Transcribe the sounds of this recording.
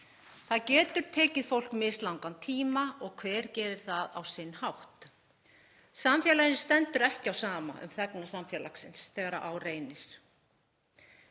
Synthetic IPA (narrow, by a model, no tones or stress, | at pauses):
θaðcɛːt̪ʏɾ̥t̪ʰeːcɪðfowl̥kmɪslawŋkant̪ʰiːmaɔɣkʰvɛːɾcɛːɾɪɾ̥θaða̰wsɪnːhawht̪ | samfjɛːlajɪnst̪ɛnt̪ʏɾɛhcɪawsaːma̰ʔʏ̰mθɛknasamfjɛːla̰ksɪnsθɛɣaɾa̰ʔawreːjnɪɾ̥